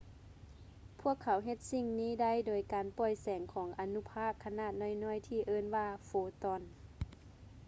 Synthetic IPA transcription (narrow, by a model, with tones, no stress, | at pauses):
pʰu˧˥˩əkʰːa˨˦wɦe˧t̪̚si˧˨ŋniː˧˥˨da˧˥˨jdoː˨˩jkaː˨npɔː˧˩jsɛː˨˩˦ŋkʰɔː˩˦ŋʔa˨nu˧˥pʰaː˧˥˨kʰːa˧naː˧˨t̪̚nɔ˧˥˩jnɔː˧˥˨jt̪ʰiː˧˩ʔɤː˧˨nwaː˧foː˨˧˦t̪ɔː˧˩˨n